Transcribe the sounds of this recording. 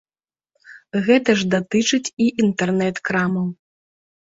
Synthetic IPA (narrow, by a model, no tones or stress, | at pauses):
ɣɛt̪ɐʐd̪at̪ɨt͡ʂɨt͡sʲiʔint̪ɛrnɛt̪kɾamɐw